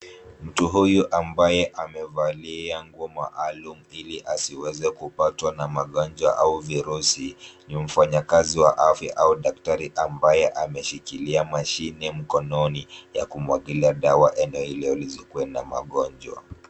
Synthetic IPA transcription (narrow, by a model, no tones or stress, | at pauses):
m̩tuɦujuʔambajɛʔamɛvaliaŋɡuɔma̰ʔalumuiliʔasiwɛzɛkupatwanamaɠɔnd͡ʒwa̰ʔauviɾusinim̩faɲakaziwaʔafjaʔauɗak̚taɾiʔambajɛʔamɛʃikiliamaʃinɛm̩kɔnɔnija̰kumwaɠiliaɗawaʔɛnɛɔilɛɔlizikuwɛna̰ma̰ɠɔnd͡ʒwa̰